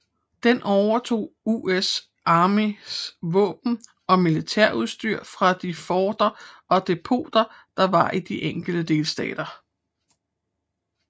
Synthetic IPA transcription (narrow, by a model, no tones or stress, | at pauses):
d̥enʔɒʊɐt͡sʰo̝̰ːues | ʔɑ̈ːmisʋɔ̰̽ːb̥n̩ | ɒ̽milit͡sʰeɐ̰uð̞ˠsd̥yɐ̰fʁɑ̈d̥ifɒːd̥ɐʔɒ̽d̥e̝pʰo̝̰ːd̥ɐ | d̥ɑ̈ʋɑ̈ʔid̥iʔeŋ̰ɡ̥l̩d̥əd̥e̝lsd̥ɛ̰ːd̥ɐ